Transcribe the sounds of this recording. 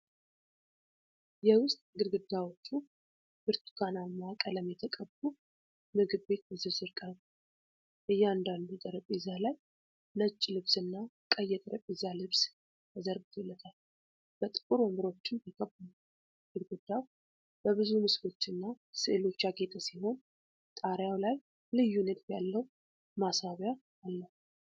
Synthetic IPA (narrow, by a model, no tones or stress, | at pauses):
jɛwʊst̪ʼɡɨɾɡɨd̪ːawo̞t͡ʃːu | b̥ɨɾt̪ʰu̥kʰanamakʼələmjɛt̪ʰəkʼəbbu | mɨɡɨd̪be̞t̪bəzɨβzɨɾkʼal | ʔɨjːɛand̪and̪ut̪ʼəɾəpʼezalaj | nət͡ʃʼːlɨβsɨnːa | kʼəjɛt̪ʼɾəpʼezalɨβs | jʰəzəɾbɨt̪ʰɛlːət̪ʰal | b̥ət̪ʼɨ̥kʼuɾəmbɨɾo̞t͡ʃːɪnikʼəbːɨmu | ɨlɡud̪ːaw | b̥əβɨzumɨsfo̞t͡ʃːɨnːa | sɨʔelo̞t͡ʃːaɡet̪ʰʼəsiɦo̞n | t̪ʼaɾjawlaj | lɨjːunɨd̪bjalːəw | masaβja | alːəh